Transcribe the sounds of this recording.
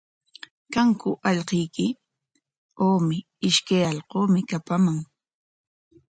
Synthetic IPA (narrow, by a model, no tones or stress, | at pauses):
kaŋkʊʔɑʎqejkɪ | oːmɪ | ɪʃkajɑʎqoːmɪkapamaŋ